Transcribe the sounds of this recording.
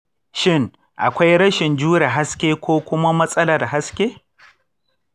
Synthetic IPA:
ʃɪ˦˨ŋ | ʔa̰˨kʷa˦jɾɐ˦ʃɪ˨nd͡ʒuː˦ɽe˨ɦa˦skʲeː˦kʷoː˦kʷʊ˦ma˦mɐ˦sʼɐ˦la˨da˨ɦa˦skʲeː˦

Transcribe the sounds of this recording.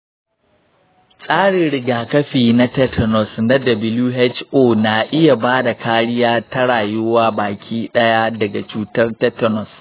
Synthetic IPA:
sʼaː˦ɽɪ˨ɽɪ˨ɡaː˨kɐ˦ɸiː˨na˦tɛ˦tʰɔ˨nɔ˨sna˦dɐ˨bɪ˦luː˦ɦɛ˦t͡ʃʔoː˦na˨ʔɪ˦ja˨baː˦da˨kʰaː˦ɽɪ˦jaː˦tɐ˦ɽaː˨jʊ˦waː˦baː˨kʲʰiː˦ɗɐ˦ja˦dɐ˨ɡa˨t͡ʃuː˦tɐ˦rtɐ˦tɔ˦nɔ˨s

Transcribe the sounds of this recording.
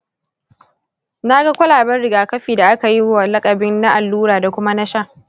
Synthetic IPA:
na˦ɡa˦kʷɐ˦laː˨bɐ˦rɽɪ˨ɡaː˨kɐ˦ɸiː˨da˨ʔa˦ka˨ji˦a˨lɐ˦kʼɐ˨bɪ˦nːa˦ʔa˨lːuː˦ɾaː˨da˨kʷʊ˦ma˦na˦ʃa˦˨

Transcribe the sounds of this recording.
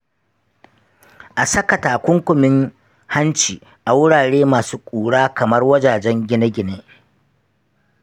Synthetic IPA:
ʔa˨sɐ˦kɐ˨taː˨kʷʊ˦ŋkʷʊ˨mɪ˦ŋ | ha˦nt͡ʃiː˨ | ʔa˨wʊ˦ɽaː˨ɽeː˦maː˨suː˦kʷʼuː˨ɽaː˦kɐ˨mɐ˦rwɐ˦d͡ʒaː˨d͡ʒɛ˦ŋɡʲɪ˦nɐ˦ɡʲɪ˨neː˦

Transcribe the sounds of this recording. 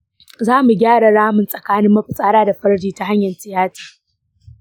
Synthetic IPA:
zaː˦mu˨ɡʲaː˦ɽa˨ɽaː˦mʊ˨nsʼɐ˨kaː˦nɪ˦mːɐ˦ɸɪ˨sʼaː˦ɽaː˦da˨ɸɐ˦ɽdiː˦ta˦ɦa˦ɲjɐ˨nsɪ˨jaː˦ti̥ː˨

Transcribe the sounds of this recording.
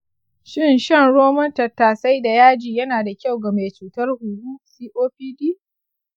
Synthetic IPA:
ʃɪ˦nʃɐ˦ŋɽoː˦mɔ˦ntɐ˨tːaː˨sa˦jda˨jaː˦d͡ʒiː˨jɐ˦naː˨da˨kʲa˦˨wɡɐ˨me˨t͡ʃuː˨tɐ˦rhʊ˨ɡuː˦siː˦ʔoː˦ɸiː˦diː˦

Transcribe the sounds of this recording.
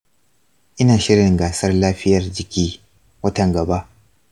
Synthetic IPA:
ʔɪ˦naː˨ʃɪ˦ɽɪ˨ŋɡaː˨sɐ˦rlaː˦ɸɪ˦jɐ˨rd͡ʒɪ˨kʲiː˦ | wɐ˦tɐ˨ŋɡɐ˨ba˦ʔ

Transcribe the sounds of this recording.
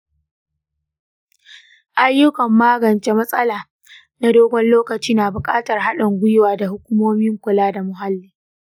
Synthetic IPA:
ʔa˦jːʊ˦kɐ˨mːaː˦ɡɐ˨nt͡ʃe˦mɐ˦sʼɐ˦laː˨ | na˦doː˦ɡʷɔ˦nloː˦kɐ˨t͡ʃiː˦naː˨bʊ˨kʼaː˦tɐ˨rɦa˦ɗɐ˨ŋɡʷʊ˦jɪ˦waː˨da˨hʊ˦kʷu˦moː˦mɪ˦ŋkʷʊ˨laː˦da˨mʊ˨ɦa˦lːiː˨

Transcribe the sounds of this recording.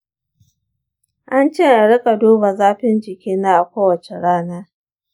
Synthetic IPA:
ʔa˦nt͡ʃeː˦˨ʔa˨ɽɪ˦kʼa˨doː˦ba˨zaː˦ɸɪ˦nd͡ʒɪ˨kʲiː˦na˦ʔa˨kʷoː˦wɐ˨t͡ʃe˨ɽaː˦naː˦

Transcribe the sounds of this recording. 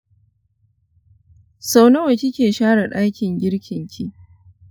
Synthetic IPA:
sa˦wnɐ˦wɐ˨kʲɪ˦kʲeː˨ʃaː˦ɽa˨ɗa˦kʲɪ˨ŋɡʲɪ˦ɽkʲʰɪ˨ŋkʲʰi˦ʔ

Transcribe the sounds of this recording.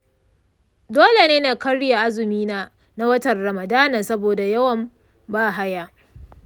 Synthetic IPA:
doː˦le˨neː˦na˨kɐ˦ɽja˨ʔa˦zɪ˨miː˦naː˦ | na˦wɐ˦tɐ˨rrɐ˨mɐ˨daː˦nɐ˨sɐ˦boː˨da˨jɐ˦wɐ˨m | baː˦˨ɦa˦jaː˦

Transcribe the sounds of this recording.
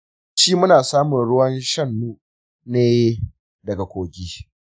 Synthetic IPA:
ʃi˦mʊ˦naː˨saː˦mʊ˨nɽʊ˦wɐ˦nʃɐ˦˨nːuː˦ | neː˦ | dɐ˨ɡa˨kʷoː˨ɡʲiː˦

